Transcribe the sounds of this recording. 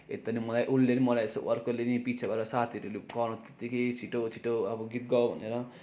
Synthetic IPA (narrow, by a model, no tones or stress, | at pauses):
ḛt̪ʌnimʌlajʔulːenimʌlajeso̰ʔʌrkolenipit͡sʰabaɾʌsat̪ʰiɾelukʌɾõt̪e̥t̪ːikejt͡sʰiʈot͡sʰiʈoʌbʌɡit̪̚ɡʌbʱʌ̰neɾʌ